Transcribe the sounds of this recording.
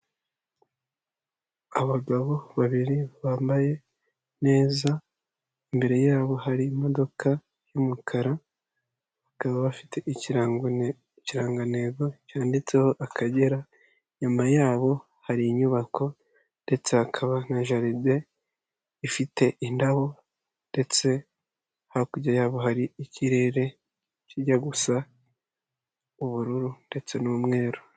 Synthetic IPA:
aβaɡaβo̞βaβiɾiβaːmbaje̞ | ne̞ːza | imbe̞ɾe̞jaːβo̞haɾiːmo̞do̞kʰa | jumukʰaɾa | βakaβaβafi̥te̞ʔi | ciɾaːŋɡane̞ɡo̞caːndit͡se̞ho̞ʔakʰaɟe̞ɾa | ɲumajaːβo̞ | haɾiɲuβako̞ | nde̞t͡se̞hakʰaβaŋaʒaɾide̞ | ifite̞ʔindaβo̞ | nde̞t͡se̞ | hakuɾɟajaːβo̞ɦaɾiiciɾe̞ɾe̞ | ciɟaɡusa | uβuɾuɾunde̞t͡se̞nuːmŋe̞ːɾo

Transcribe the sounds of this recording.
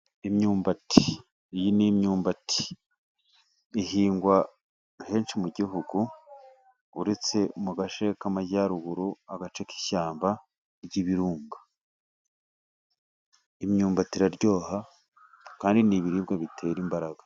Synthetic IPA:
imɲuːmbatʰi̥ | jinimɲuːmbatʰi̥ | ɦiːŋɡwa | he̞ːnʃimuɟiɦuɡu | uɾet͡se̞muɡaʃekamajaɾuɡuɾuaɡat͡ʃeki̥çaːmba | ɾɟiβiɾuːŋɡḁ | imɲuːmbatiɾaɾɟoːha | kaːndiniβiɾibɡeβitʰe̞ːɾimbaɾaɡ̥ḁ

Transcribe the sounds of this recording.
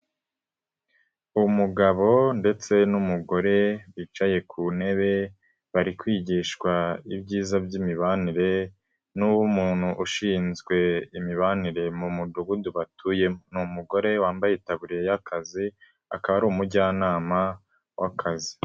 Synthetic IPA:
umuɡaβo̞nde̞t͡se̞numuɡo̞ɾe̞wiːt͡ʃaje̞kʰune̞βe̞ | βaɾikwiːɟiːʃkwaibɟiːzabɟimiβaniɾe̞ | nuwumuːn̥huʔuʃiːnzɡwe̞imiβaniɾe̞mumuduɡuduβatʰujenumuɡo̞ɾe̞waːmbajetaβuɾiɾe̞jakʰazi | a̰kaβaɾuːmuɟaːnaːma | wakʰazi

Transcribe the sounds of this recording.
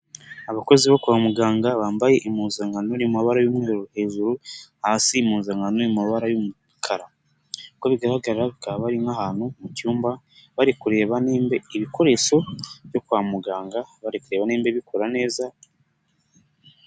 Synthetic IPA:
aβako̞ziβokuwamuɡaːŋɡaβaːmbaje̞ʔimuːnzaŋɡanonimaβaɾajumŋe̞ːɾohe̞ːʒuɾuhaːsimuːnzaŋɡanonimaβaɾajumu | kʰaɾa | koβiɡaɾaɡaɾaβikaβaɾinahaːnhumucuːmba | βaɾikuɾe̞ːβaneːmbe̞iβiko̞ɾe̞ʃo̞βjo̞kuwamuɡaːŋɡaβaɾikuɾe̞ːβaneːmbeβikʰo̞ɾane̞ːza

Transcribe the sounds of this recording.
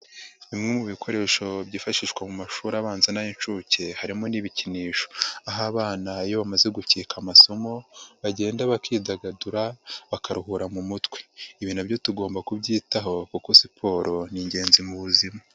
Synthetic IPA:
imŋemuβikʰo̞ɾe̞ʃo̞bɟiːfaʃiʃkwamumaʃuːɾaβaːnzenajint͡ʃuce̞haɾimo̞niβiciniːʃo̥aɦaːβaːnajoβamaze̞ɡuciːkamaso̞mo̞βaɟe̞ːndaβakiːdaɡaduɾaβakaɾuhuɾamumutkwe̥iβinabjo̞tuɡo̞ːmbakubɟiːtaɦo̞kukosipʰo̞ːɾʔo̞niːɲɟe̞ːnzimuβuzima

